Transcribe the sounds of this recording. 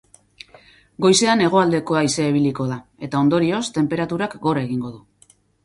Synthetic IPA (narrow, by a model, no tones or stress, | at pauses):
ɡo̞jse̞ane̞ɣ̞o̞ald̪e̞ko̞ajiseiβ̞iliko̞ðae̞t̪ao̞nd̪o̞ɾio̞st̪e̞mpe̞ɾat̪uɾakɡo̞re̞ɣ̞iŋɡo̞ðu